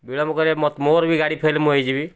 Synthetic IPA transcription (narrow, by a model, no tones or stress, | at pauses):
biɭɔmukɔɾemɔt̪moɾbʱiɡaɽipʰelmũɦəjd͡ʒibi